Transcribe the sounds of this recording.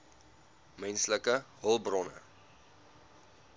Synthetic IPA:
mɛnsləkəɦəlˠbrɔnə̰

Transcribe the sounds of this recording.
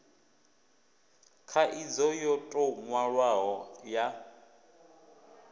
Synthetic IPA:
kʰaʔid͡zɔjɔtʼɔŋwaɺwaɦɔja

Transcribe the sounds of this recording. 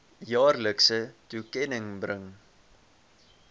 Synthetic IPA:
jɑːrləksətukɛnəŋbrəŋ

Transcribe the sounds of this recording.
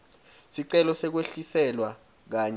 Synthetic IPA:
siǀɛlɔsɛk̬weɬisɛlwa | k̬aːɲɛ

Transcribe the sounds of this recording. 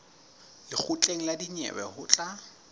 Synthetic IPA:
lɪk͡xʰut͡ɬʼeŋ̩ladiɲɛ̰bɛ̰hʊt͡ɬʼa

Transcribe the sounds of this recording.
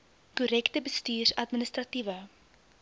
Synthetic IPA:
kuɾɛktəbəstyːrɐtmənəstrɐtivə

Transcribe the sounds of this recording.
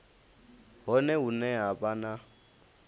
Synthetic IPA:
ɦɔnɛunɛɦabʼana

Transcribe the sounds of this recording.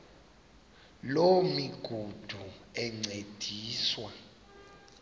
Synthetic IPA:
lomiɡ̥ʱud̥ʱuɛŋ͡ǀed̥ʱiːswa

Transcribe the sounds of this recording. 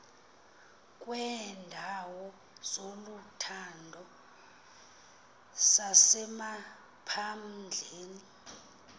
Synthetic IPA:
k̬ʼwɛːndʱawɔ | z̥olutʰandʱɔ | sasɛma | pʰamd͡ɮʱeːni

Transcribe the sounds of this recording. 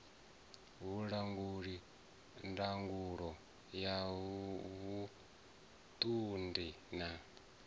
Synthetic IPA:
ɦuɺaŋɡuɺi | ndaŋɡuɺɔ | ja | βu | t̪ʼundi | na

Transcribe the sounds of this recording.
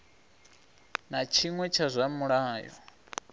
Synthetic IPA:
nat͡ʃʰiŋwɛt͡ʃʰazʷamuɺaːjɔ̰

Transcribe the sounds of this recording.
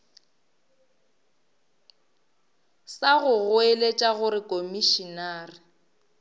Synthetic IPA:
saɣʊɣʊelet͡ʃʼaɣʊɾɪkʼomiʃinaːrɪ

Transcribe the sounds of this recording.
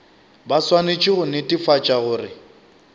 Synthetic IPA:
baswanet͡ʃʼɪɣʊnɪtʼifat͡ʃʼaɣʊːrɪ

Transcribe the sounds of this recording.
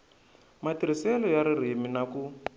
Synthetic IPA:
matiɾ̤isɛlɔjaɾiriminaku

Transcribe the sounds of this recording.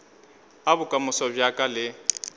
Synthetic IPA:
abʊkʼamʊsɔbjakʼalɪ

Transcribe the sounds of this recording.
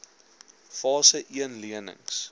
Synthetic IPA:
fɑːsəʔiənliənə̰ŋs

